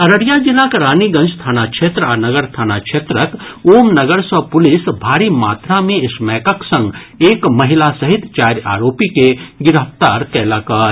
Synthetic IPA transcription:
ɐɾəɽjad͡ʒɪlakɐɾaːniɡɐ̃nd͡ʒst̪ʰaːnakʃeːt̪ɾaːnɐɡəɾst̪ʰaːnakʃʰeːt̪ɾəkoːmnɐɡəɾsəpʊlɪsbʱaːɾima̰ːt̪ɾamẽɪsmɛːkəksɐ̃ŋɡeːkmɐɦɪlasɐɦɪt̪t͡ʃaːɾja̰ːɾoːpikeɡɪɾəft̪aːɾkɛːlakɐɾ

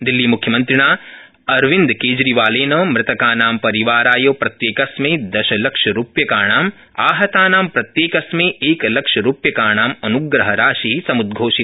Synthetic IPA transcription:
d̪ilːiːmukʰjɐmɐnt̪ɾɪɳaː | ɐɾʋind̪keːd͡ʒɾiʋaːleːnɐːmɾɪt̪ɐkaːnaːmpɐɾiʋaːɾaːjoːpɾɐt̪jeːkɐsmeːd̪ɐʃɐlɐkʂɐɾupjɐkaːɳaːm | aːɦɐt̪aːnaːmpɾɐt̪jeːkɐsmeːeːklɐkʂɐɾuːpjɐkaːɳaːmɐnuɡɾɐɦɐɾaːʃisɐmud̪̚ɡʱoːʃi

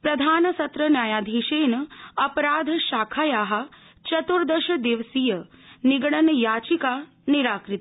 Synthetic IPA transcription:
pɾɐd̪ʱaːnɐsɐt̪ɾənjaːjaːd̪ʱiːʃeːnɐpɾaːd̪ʱʃaːkʰaːjaːɦa | t͡ʃɐt̪uɾd̪ɐʃɐd̪eʋsijəniɡɽɐnjaːt͡ʃikaː | niɾaːkɾɪt̪

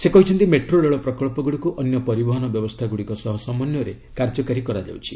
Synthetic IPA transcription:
sekɔɦit͡ʃʰɔnt̪imeʈɾoleɭɔpɾɔkɔɭpɔɡuɽikuʔɔnjɔpɔɾibɔɦɔnɔbjɔbɔst̪ʰaɡuɽikɔsɔɦɔsɔmɔnjɔɾe | kaɾd͡ʒɔkaɾikɔɾad͡ʒa̰wt͡ʃʰi̥

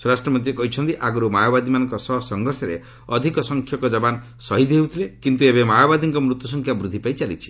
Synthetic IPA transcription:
suɾasʈɾɔmɔnt̪̬iɾekɔɦit͡ʃʰɔnt̪iʔaɡɔɾumajɔbad̪imanɔŋkɔsɔɦsɔŋɡʱɔɾsɔɾḛ | ɔd̪ʱikɔsɔŋkʰjɔkɔd͡ʒɔban | sɔɦid̪ʱɦeut̪ʰilekint̪uebemajɔbad̪iŋkɔmɾut̪jusɔŋkʰjabɾud̪ʱːipait͡ʃalḭt͡ʃʰi̥

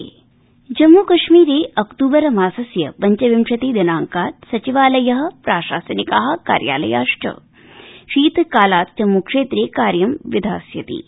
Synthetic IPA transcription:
d͡ʒɐmːuːkɐʂmiːɾeːʔɐkt̪uːbɐɾɐmaːsɐsjɐ̰pɐɲt͡ʃɐʋimʂɐt̪eːd̪inaːŋkaːɾsɐt͡ʃiʋaːlɐjɐɦɐ̆pɾaːʃaːsɐnikaːɦɐ̆ka̰ːɾja̰ːlɐ̰ja̰ːʂʈɐ̰ | ʃiːt̪kaːlaːt̪̚d͡ʒɐmːukʂeːt̪ɾeːkaːɾjɐmʋid̪ʱa̰ːsjɐt̪ḭ

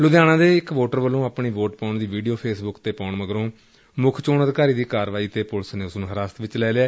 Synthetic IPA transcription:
lʊd̪jaːñãːd̪eːɪkʋoːʈəɾʋəlːõːaːpɳiːʋoːʈpãːɳd̪iːʋiːɖijoːpʰeːsbʊkt̪eːpãːɳməɡəɾõː | mʊkʰt͡ʃoːnəd̪kaːɾiːd̪iːkaːɾʋaːiːt̪eːpʊlsnẽːʊsnũːɦəɾaːst̪ʋɪt͡ʃlɛːleɛː

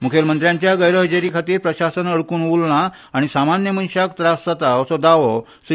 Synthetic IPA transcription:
mukʰelmənt̪ɾjãɲt͡ɕjaɡəjɾɔɦəd͡ʑeɾiːkʰat̪iːɾpɾəɕasənəɽkuːnulnaː | ɽ̃isamanjəmənɕakt̪ɾasd͡zat̪aəsɔd̪aʋɔ | s

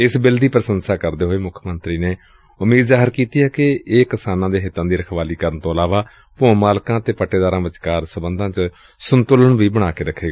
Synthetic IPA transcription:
ɪsbɪld̪iːpɾəsənsaːkəɾd̪eːɦoːeːmʊkʰmənt̪ɾiːneː | ʊmiːd̪zaːɦəɾkiːt̪iːɛːkɪeːkɪsaːnãːd̪eːɦɪt̪ːãːd̪iːɾəkʰʋaːliːkəɾənt̪õːəlaːʋaː | põːmaːlkãːət̪eːpəʈːeːd̪aːɾãːʋət͡ʃkaːɾsəbənd̪ʱãːt͡ʃə | sʊnt̪ʊləɳʋiːbəɽ̃aːkeːɾəkʰːeːɡaː

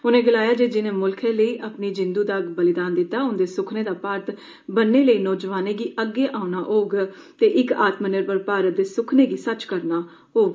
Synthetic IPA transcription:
ʊnẽːɡəlaːjaːd͡ʒeːd͡ʒɪnẽːmʊlkʰẽːləiːʔapniːd͡ʒɪnd̪uːd̪aɡbəlɪd̪aːnd̪ɪt̪ːaːʊnd̪eːsʊkʰneːd̪aːpaːɾt̪ | bənːeːləiːnɔːd͡ʒʋaːnẽːɡiːəɡːeːʔaːunaːʔoːɡ | t̪eːʔɪkaːt̪mənɪɾpəɾpaːɾət̪̚d̪eːsʊkʰneːɡiːsət͡ʃkəɾnaː | ɦoːɡ

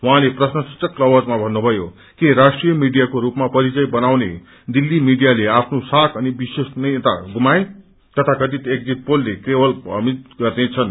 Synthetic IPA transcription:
wɦãleprʌsnʌsu̥t͡sʌkːlʌwʌd͡zmabʱʌnːubʱʌjo | keɾasʈrijʌmiɽijakoɾupmapʌɾit͡sʌjbʌnawne | d̪ilːimiɖijaleapʰnosakʰʌnibisesnʌjet̪a̰ɡumaẽ | t̪ʌt̪ʰakʌt̪it̪ek̚d͡ziʈ̚polːekrewʌlbʌ̰mit̪ɡʌrnet͡sʰʌn

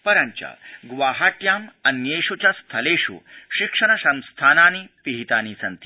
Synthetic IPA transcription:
pɐɾɐɲt͡ʃɐ̰ɡʋaːɦaːʈ̪jaːmɐnjeːʂut͡ʃɐst̪ʰɐleːʂṵʃikʂɐnɐsɐ̃nst̪ʰaːnaːnipiɦit̪aːnisɐnt̪i

